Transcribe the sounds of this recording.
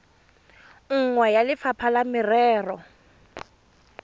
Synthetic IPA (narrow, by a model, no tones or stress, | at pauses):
ŋ̩ŋwɛjalɪfapʰalamɪrɛːrɔ